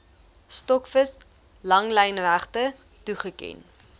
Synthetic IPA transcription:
stɔkfəs | lɐŋlɛjnvæχtə | tuχəkɛ̰n

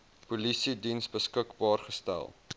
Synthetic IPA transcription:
pulisidinsbəskəkbɑːrχəstæ̰lˠ

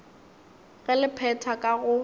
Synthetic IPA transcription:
ɣɛlɪpʰɛtʰakʼaɣʊ

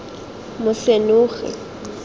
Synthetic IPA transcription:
mʊɬenʊːɣɪ̰

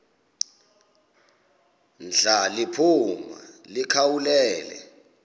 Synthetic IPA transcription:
nd͡ɮʱalipʰuma̰likʰawulɛːlɛ̰

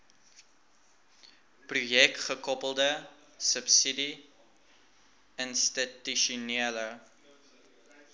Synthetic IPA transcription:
prujɛkχəkɔpəlˠdə | səpsidi | ənstityʃuniələ

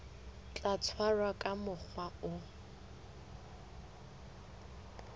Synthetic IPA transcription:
t͡ɬat͡sʰwarwakʼamʊk͡xʰwaʊ

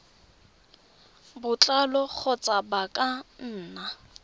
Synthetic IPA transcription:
bʊt͡ɬʼalɔk͡xʰɔt͡sʼabakʼan̩ːna

